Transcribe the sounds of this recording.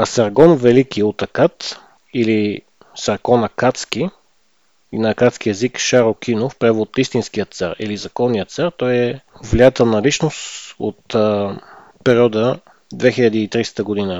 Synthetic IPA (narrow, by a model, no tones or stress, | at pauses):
ɐsɐɾɡɔnvɛlikiot̪ɐkat̪ | ili | sɐɾkɔnɐkat̪ski | inɐkat̪skiɛzikʃaɾok̟ʰinofpɾɛvot̪ist̪inskijət̪sa̰ɾḭlizɐkɔnːijət̪t̪saɾt̪ɔjɛvliat̪ɛlˠnɐlit͡ʃnost̪o̰t̪ə | pɛɾiɔd̪ə | d̪vɛxiʎʲəd̪iːt̪ɾist̪əɡod̪inə